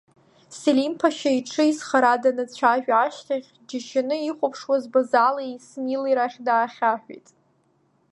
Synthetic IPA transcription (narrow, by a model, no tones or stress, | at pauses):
selimpʰaʃaiʈ͡ʂʰɨizχaɾadanat͡ɕʷʰaʒᶣaʃtʰaχʲd͡ʒaʃanɨiχʷʊpʰʂwazbazalaismiliɾaχʲdaːχʲaħʷᶣḭtʼ